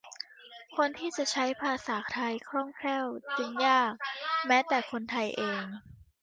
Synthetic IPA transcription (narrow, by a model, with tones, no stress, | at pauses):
kʰo˧nt̪ʰiː˥˩t͡ɕa˨˩ʔt͡ɕʰa˦˥jpʰaː˧saː˩˦t̪ʰa˧jkʰɾɔ˥˩ŋkʰɛː˥˩wt͡ɕi˧njaː˥˩k̚mɛː˦˥t̪ɛː˨˩kʰo˧nt̪ʰa˧jʔeː˧ŋ